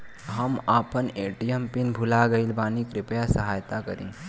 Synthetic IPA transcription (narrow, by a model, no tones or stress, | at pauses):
ɦəmaːpəneːʈijəmpɪnbʱulaɡəilbaːnikɾɪpjasəɦaːjt̪akəɾḭ̃ː